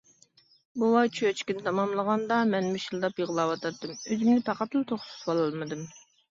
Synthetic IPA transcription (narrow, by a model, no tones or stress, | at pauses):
buwɑt͡ʃʰøt͡ʃkʲinɪt̪ʰɑmɑmlˠəʁɑnd̪ɑmɛnmyʃilˠd̪ɑpjəʁlˠɑwɑt̪ʰɑt̪ːɨmøzymnɪpʰɑqɑt̪ɨlˠt̪ʰoχsu̥swɑlˠɑlˠmɨd̪ɨm